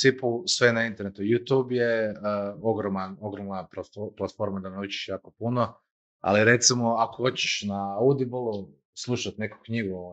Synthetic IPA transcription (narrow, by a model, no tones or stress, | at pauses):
sipusʋenaint̪eɾnet̪ujut̪jubje | oɡɾomanoɡɾomnapat̪oplat̪fo̞ɾmad̪aneut͡ʃi̥ʃjaːkopuno | a̰liɾe̞t̪simoakoxot͡ɕe̥ʃnaud̪ibolˠu | slˠuʃat̪ne̞ku̥kɲiɡu